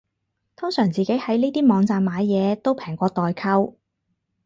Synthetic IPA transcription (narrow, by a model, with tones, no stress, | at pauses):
t̪ʰʊ˥ŋsœː˨˩ŋt͡siː˨ke˨˥jhɐ˨˥jniː˥t̪iː˥mɔː˨˧ŋt͡saː˧maː˨˧jːɛː˨˧t̪o˥wpʰɛː˨˩ŋkʷɔː˧t̪ɔː˨jkʰɐ˥w